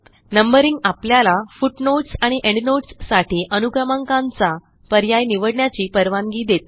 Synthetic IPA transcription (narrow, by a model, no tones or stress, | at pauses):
nəmbəɾiŋɡapljalafuʈnoʈsaɽ̃iʔẽɳɖnoʈsːaʈiːʔənuɡamãŋkãnt͡sa | pəɾjajniʋəɽɳjat͡ɕiːpəɾʋaŋɡiːd̪et̪̚